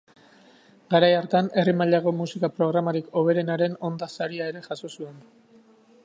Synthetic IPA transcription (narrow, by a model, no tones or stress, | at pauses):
ɡaɾajaɾt̪ane̞rimaʎaɣo̞musikapɾo̞ɣ̞ɾamaɾiko̞β̞e̞ɾe̞naɾe̞no̞nd̪asaɾiae̞ɾe̞ʝasosue̞n